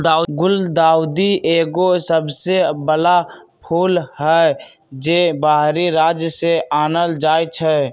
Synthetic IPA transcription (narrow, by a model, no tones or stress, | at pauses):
d̪aɡʊld̪aːʊd̪ieːɡosəbsebəla | pʰuːlɦɛ | d͡ʒeːbaːɦɾiɾaːd͡ʒjəseʔaːnəld͡ʒaːjt͡ʃʰɛ